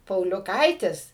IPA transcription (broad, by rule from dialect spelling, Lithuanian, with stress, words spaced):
pɐʊlʲʊˈkɐɪtʲɪs